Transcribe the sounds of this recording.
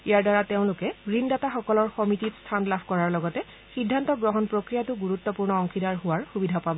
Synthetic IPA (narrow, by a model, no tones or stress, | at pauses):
ijaɹdaɹateʊ̃lʊkɛɹindataxɔkɔlɔɹxɔmititstʰanlabʰʱkɔɹaɹlɔɡɔtɛ | sidʱːantɔɡɹɔɦɔnpɹokɹijatʊɡuɹutːɔpuɹnɔɔŋkʰidaɹɦʊwaɹxubidʱapabɔ